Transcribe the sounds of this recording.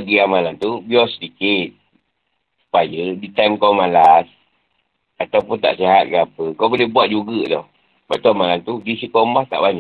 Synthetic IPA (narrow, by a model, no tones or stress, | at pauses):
ɡiamalant̪ubiɔsədikɪt̪̚ | ssu̥pajədit̪amkawmalas | at̪awpʊnt̪a̰ʔsiɦat̪̚kəapəkawbəlɪhbuat̪̚d͡ʒuɡədɔ̰h | bat̪uamalant̪udisikombaht̪a̰ʔbaɲa